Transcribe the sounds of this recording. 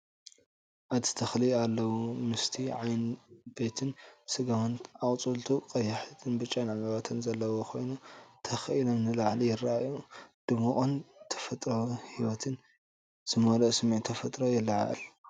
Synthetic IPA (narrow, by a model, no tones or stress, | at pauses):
ʔat̪ʰɨ̥t̪ʰɐxlialːɐwumɨst̪ʰiʕajnb̥e̞t̪ʰɨnsɨɡawɐnakʼt͡sʼult̪ʰuqʼɐjːɐħt̪ʰɨnbɨt͡ʃʼːanʕamwat̪ʰɐnzɐlːɐwokʰo̞̰jnut̪ʰɐxʔilomnɨlaʕlijɪrːaajud̪̥ɨmuʔʼont̪ʰɐ̥fɐt̪ʼɾohiwɐt̪ʰɨn | z̥ɨmolɐʔsɨmiʕt̪ʰɐfɐt̪ʼɾojɪlːaʕa̰ʔɐ̰l